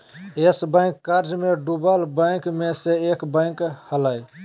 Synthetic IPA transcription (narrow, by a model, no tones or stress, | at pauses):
esbə̃ɪ̃kːaɾd͡ʒmẽɖubalbəɪ̃kmeseeːkbə̃khəlaj